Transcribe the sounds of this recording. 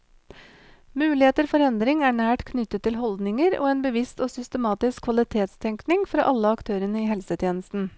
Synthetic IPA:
mʉːlɪheːt̪əɾfɔɾɛnd̪ɾɪŋæːɳæːʈkʰnʏt̪ːət̪ʰːɪlɦɔld̪nɪŋəɾo̰ːeːnbəʋɪst̪oːsʏst̪əmɑːt̪ɪskʰːʋɑlɪt̪ʰeːt̪st̪ʰɛŋknɪŋfɾɑ̰ːʔɑlːəɑkt̪ʰøːɾənəiːhɛlsət̪ʰjeːnəst̪n̩

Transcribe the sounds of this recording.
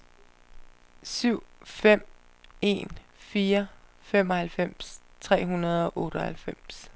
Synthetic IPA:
syʊ̰fem̰ | e̝̰ːn | fiːɐfem̰ɒ̽hælfem̰st͡sʰʁɛ̰ːɦunɐð̞̩ˠɒ̽ʔɔ̽ːɾ̥əɒhælfem̰s

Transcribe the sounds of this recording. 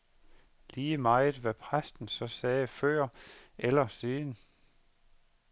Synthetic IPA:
liːəmɑ̈ɪðˠʋæpʰʁasd̥n̩sɒ̽sɛːfɶɐ̰ʔelɐseːnə

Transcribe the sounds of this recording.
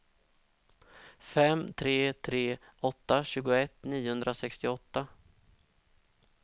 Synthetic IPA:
fɛmːt̪ʰɾeːt̪ʰɾeːɔt̪ːaɕʉ̟ːɡʊɛt̪ːniːʊhɵnd̪ɾasɛkst̪ɪɔt̪ːa

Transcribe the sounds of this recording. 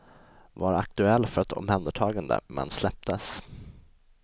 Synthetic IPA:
vaɾak̚t̪ɵɛlːfœɾat̪ʰɔ̰mhɛnd̪əʈʰɑːɡand̪ə̰mɛ̰nslɛp̚t̪əs

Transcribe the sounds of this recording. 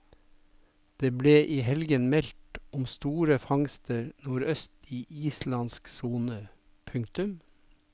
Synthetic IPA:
d̪̥eːbleːʔiːhɛlɡənmɛlt̪ʊmst̪uːɾəfɑŋst̪əɾnuːɾœst̪iːʔiːslɑnsksuːnə | pʰʉŋk̚t̪ʉm

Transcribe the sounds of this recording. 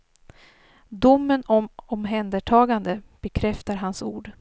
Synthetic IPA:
d̪ʊmːənɔmɔmɦɛnd̪əʈʰɑːɡand̪əb̥ɛkʰɾɛft̪aɾɦansṵːɖ

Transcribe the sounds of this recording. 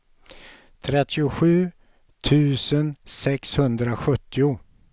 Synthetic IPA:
t̪ʰɾɛt̪ʰːɪʊɧʉ̟ː | t̪ʰʉ̟ːsənsɛkshɵnd̪ɾaɧɵt̪ʰːɪʊ

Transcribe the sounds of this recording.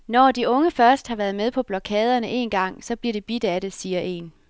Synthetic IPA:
nɒd̥iɔ̽ŋəfɶɐsd̥hɑ̈ʋæɐðˠmeð̞ˠpʰɒ̽b̥lɒkʰɛ̰ːð̞ˠɐnəʔe̝ːnɡ̥ɑ̈ŋ̰sɒ̽b̥liɐ̰d̥e̝b̥id̥əæɾe̝siːɐʔe̝̰n

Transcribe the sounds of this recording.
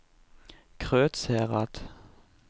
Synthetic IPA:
kʰʁøːt̪shɛːʁat̪

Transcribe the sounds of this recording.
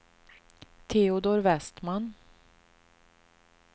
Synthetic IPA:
t̪ʰeʊd̪oːɾvɛst̪man

